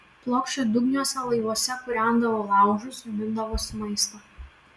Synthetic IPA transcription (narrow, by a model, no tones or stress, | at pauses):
plˠoːkʃʲt͡ʃʲod̪ʊɡnʲuɔsʲɛlˠɐɪʋuɔsʲɛkʊɾʲæˑnd̪ɐʋoːlˠɑˑʊʒʊsʊmʲɪnd̪ɐʋoːsʲʊmɐɪst̪ɐ